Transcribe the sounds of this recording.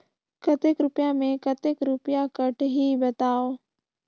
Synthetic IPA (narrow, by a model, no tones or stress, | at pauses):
kɐt̪ekɾʊpjamẽkət̪ekɾʊpjakəʈʰɦiːbɐt̪aːoː